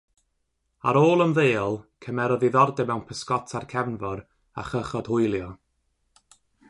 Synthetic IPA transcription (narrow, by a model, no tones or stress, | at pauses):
a̰ɾoːlˠəmðeːɔlˠkʰəmɛɾɔðiðɔrdɛmɛwnpʰəskɔtʰarkʰɛvnvɔɾ | a̰χəχɔd̥hʊɨlˠjɔ